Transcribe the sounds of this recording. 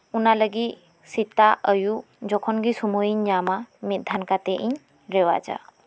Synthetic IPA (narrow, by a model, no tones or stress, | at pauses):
unaləɡit | sit̪aʔəju | d͡ʒɔkʰɔnɡisumoiɲɲamamit̪̚d̪ʱankat̪ɛʔiɲ | ɾɛwa̰d͡ʒa̰